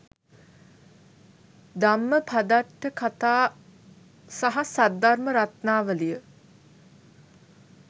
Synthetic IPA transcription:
d̪amːəpʰad̪aʈːəkʰat̪aː | saɦasad̪arməɾat̪naːʋəlijə

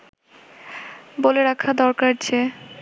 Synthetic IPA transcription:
boleɾakʰad̪ɔɾkaɾt͡ɕʰe

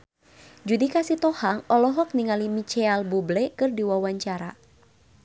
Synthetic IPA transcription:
d͡ʒudikasit̪ɔhaŋɔlɔɦɔk̚niŋalimit͡ʃɛalbublɛkɨrdiwawaɲt͡ʃaɾa̰

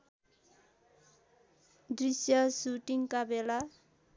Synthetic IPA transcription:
d̪risjʌsuʈiŋkabela

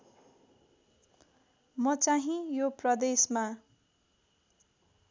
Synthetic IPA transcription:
mʌt͡saɦĩjoprʌd̪esma

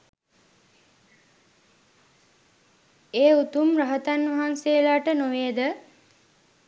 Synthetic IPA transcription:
eːut̪umraɦət̪anʋɐɦansejlaːʈənoʋeːd̪ə

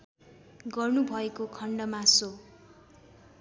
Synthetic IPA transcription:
ɡʌrnubʱʌekokʰʌɳɖʌmaso

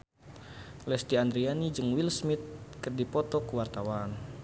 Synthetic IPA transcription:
lɛst̪iand̪ɾianid͡ʒɨŋwilsmit̪̚kɨrdipɔt̪ɔkəwart̪awan

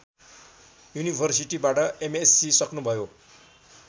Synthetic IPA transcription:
junibʱʌrsiʈibaʈʌʔemesːisʌknubʱʌjo

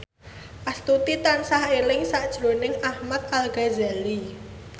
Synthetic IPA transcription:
ʔast̪ut̪it̪ansahelɪŋsaʔd̥ʒ̥ɾo̤nɪŋahmat̪̚alɡ̥azali

